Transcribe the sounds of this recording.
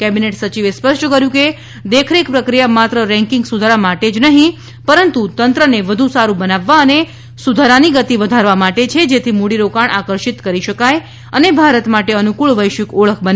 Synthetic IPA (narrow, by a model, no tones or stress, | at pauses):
kɛbineʈsət͡ʃiʋespəʃʈkəɾjũke | d̪ekʰɾekpɾəkɾijamat̪ɾəɾɛ̃ŋkɪŋɡsud̪ʱaɾamaʈed͡ʒnəɦĩ | pəɾənt̪ut̪ənt̪ɾəneʋəd̪ʱũsaɾubənaʋːaəne | sud̪ʱaɾaniɡət̪iʋəd̪ʱaɾʋamaʈet͡ʃʰed͡ʒet̪ʰimoɽiɾokaɳʔakəɾʃit̪kəɾiʃəkaj | ənebʱaɾət̪maʈeənukuɭʋəjʃəkoɭəkʰbən